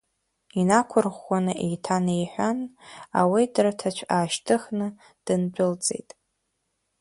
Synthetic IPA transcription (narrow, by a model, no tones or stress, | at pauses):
inakʷʰʊrʁːʷanɨʔḛjtʰanejħʷᶣana̰widratʰat͡ʃʷʰaːʃtʰɨχnɨ | d̥ɨnbʷʼᶣʊlt͡sʼe̞̰jtʼ